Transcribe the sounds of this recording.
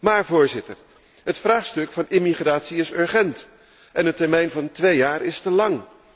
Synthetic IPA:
maːɹvʊːɹzɪtər | ɦətfraːχstɵkfɑnɪmiχraːtsiɪsøɹχɛnt | ʔɛnətɛɹmɛjnvɑntʋejaːɾɪstəlɑŋ

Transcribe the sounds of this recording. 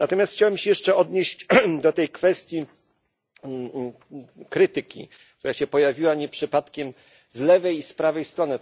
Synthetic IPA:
nat̪ɔmʲjast̪xt͡ɕawɛmɕɛjɛʂt͡ʂɛɔd̪ɲeɕt͡ɕd̪ɔt̪ɛjkfɛst̪ʲji | kɾɘt̪ɘkʲḭ | t̪uɾaɕɛpɔjavʲiwaɲɛpʂɘpat̪kʲɛm | zlɛvɛjispɾavɛjst̪ɾɔnɘ

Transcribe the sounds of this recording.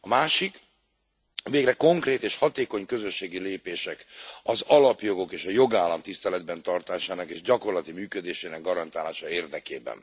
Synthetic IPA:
ɒmaːʃik | veːɡrɛko̞ŋkreːt̪eːʃhɒt̪eːko̞ɲkø̞zøʃːeːɡileːpeːʃɛkɒzɒlɒpjo̞ɡo̞keːʃɒjo̞ɡaːlːɒmt̪ist̪ɛlɛd̪̚bɛnt̪ɒrt̪aːʃaːnɒkeːʒɟɒko̞rlɒt̪imyːkød̪eːʃeːnɛɡːɒɾɒnt̪aːlaːʃɒeːrd̪ɛkḛːbɛ̰n

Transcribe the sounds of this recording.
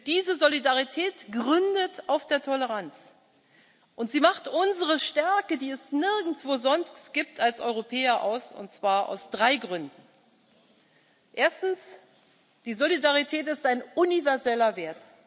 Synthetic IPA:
d̥iːzəzolidaʁitʰɛːtɡ̥ʁʏndətaʊfd̥eːɐtʰɔləʁ̞ant͡s | ʔʊntz̥iːmaχtʔʊnzəʁəʃtɛɐkədiːɛsnɪɐɡn̩t͡sv̥oːzɔnstɡ̥iːp̚tʰalsʔɔʏʁopʰɛːɐʔa̰ʊsʊ̰ntt͡sv̥aːɐʔa̰ʊsd̥ʁaɪɡʁʏndn̩ | ʔeːɐstn̩s | d̥iːzolidaʁitʰɛːtɪstaɪnʊnivɛɐzɛlɐveːɐt

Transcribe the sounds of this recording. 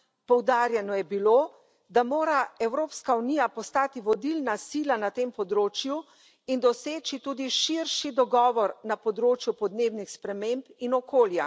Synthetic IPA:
pɔwd̪aːɾjɛnɔjɛbiloː | d̪amoːɾaɛwɾoːpskaunijapɔst̪aːt̪iʋɔd̪ilnasiːlanat̪empɔd̪ɾoːt͡ʃju | ind̪ɔseːt͡ʃit̪uːd̪iʃiɾʃid̪ɔɡɔːʋɔɾnapɔd̪ɾoːt͡ʃjupɔd̪neːwnixspɾɛmempinɔkoːlja̰

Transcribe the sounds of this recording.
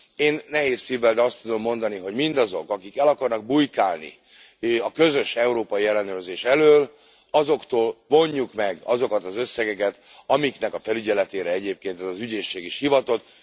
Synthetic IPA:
eːnːɛɦeːsːiːvːɛld̪ɛɒst̪ud̪o̞mːo̞nd̪ɒniɦo̞ɟmind̪ɒzo̞kɒkikɛlɒkɒrnɒɡ̚bujkaːlnḭ | ɒkø̞zø̞ʃɛuɾoːpɒjiɛlːɛnøːrzeːʃɛløːl | ɒzo̞kt̪oːlvo̞ɲːukmɛɡɒzo̞kɒt̪ɒzø̞sːɛɡɛkɛt̪ | ɒmiknɛkɒfɛlyɟɛlɛt̪eːɾɛɛɟeːp̚keːnt̪ɛzɒzyɟeːʃːeːɡiʃhivɒt̪o̞t̪

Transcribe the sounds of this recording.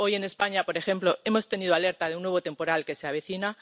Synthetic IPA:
o̞je̞ne̞spaɲapo̞ɾe̞xe̞mplo̞e̞mo̞st̪e̞niðoale̞ɾt̪aðeunːwe̞β̞o̞t̪e̞mpo̞ɾalke̞seaβ̞e̞θina

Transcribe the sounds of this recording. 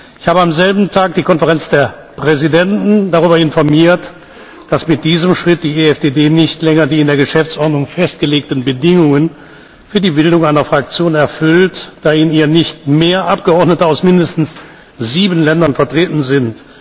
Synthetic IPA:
ʔɪçhaːbəamzɛlbm̩tʰaːk̚d̥iːkʰɔnfəʁɛnt͡sd̥eːɐ | pʁ̥ɛzidɛntn̩d̥aʁyːbɐɪnfɔɐmiːɐt | d̥asmɪt̚d̥iːzəmʃʁ̥ɪt̚d̥iːeɛfd̥eːdeːnɪçtlɛŋɐdiːɪndeːɐɡəʃɛft͡sʔɔɐdnʊŋfɛst̚ɡ̥əleːk̚tn̩bədɪŋʊŋən | fyːɐdiːbɪldʊŋaɪnɐfʁ̥ak̚t͡sjoːnɛɐfʏltd̥aːiːniːʁənɪçtmeːɐʔap̚ɡ̥əɔɐdnətəaʊsmɪndəstn̩s | z̥iːbən̩lɛndɐnfɛɐtʁ̥eːtn̩zɪnt

